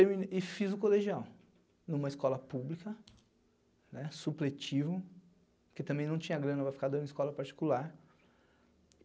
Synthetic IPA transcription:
t̪eɾmĩnɪfizʊkoleʒiaw | nũmɐɪskɔlɐpublikɐ | nɛsuplet͡ʃivʊ | ket̪ɐ̃mbẽj̃nɐ̃w̃t͡ʃĩɲɐɡɾɐ̃nɐvajfi̥kaɾd̪ɐ̃ɪskɔlɐpaɾt͡ʃi̥kulaɾ

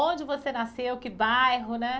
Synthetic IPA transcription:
õd͡ʒɪvosenasewkɪbajɦʊnɛ

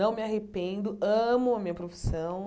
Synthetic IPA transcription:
ɐ̃w̃mɪaɦepẽnd̪ʊɐ̃mʊɐmĩɲɐpɾofi̥sɐ̃w̃

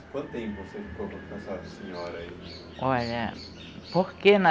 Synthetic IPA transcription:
kwɐ̃t̪̚t̪ẽpvosefi̥kõpɐ̃sad̪ʊsẽɲɔɾɐi | ɔʎɐ | poɾkenɐ

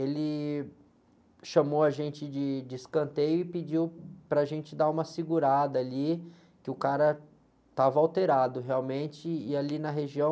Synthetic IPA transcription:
elɪ | ʃɐmowɐʒẽnt͡ʃɪd͡ʒɪd͡ʒɪskɐ̃nt̪ejʊɪpɪd͡ʒiwpɾɐʒẽnt͡ʃɪd̪aũmɐsɪɡuɾad̪ɐːli | kɪʊkaɾɐ | t̪avɐawt̪eɾad̪ʊɦeawmẽnt͡ʃɪːalinɐɦeʒiɐ̃w̃

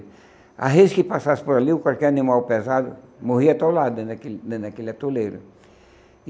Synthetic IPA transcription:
a̰ɦed͡ʒɪkɪpasasɪ̥poɾaliʊkwalkɛɾanĩmawpezad̪ʊ̰moɦiɐt̪olad̪ʊd̪ẽɐkeld̪ẽd̪ɐkelɪat̪ulejɾʊ̰

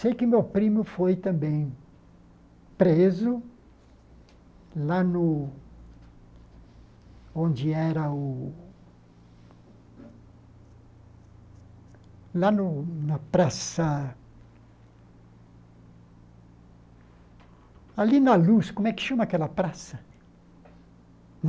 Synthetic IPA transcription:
sejkɪmewpɾĩmʊfojt̪ɐ̃mbẽj̃ | pɾezʊ | lanʊ | õnd͡ʒɪɛɾɐʊ | lanʊnɐpɾasɐ | alinɐluskomwɛkɪ̥ʃomakɛlɐpɾasɐ

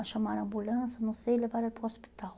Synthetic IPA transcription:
ɐʃɐmaɾɐ̃mbulɐ̃sɐnɐ̃w̃seelevaɾɐpɾuɔspi̥t̪aw

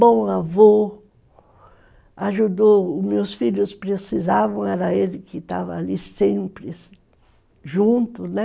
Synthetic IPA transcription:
bõw̃avo | aʒud̪omewsfiʎʊspɾesizavɐ̃w̃ɛɾɐelɪkɪt̪a̰vɐːlisẽmpɾɪs | ʒũt̪ʊnɛ

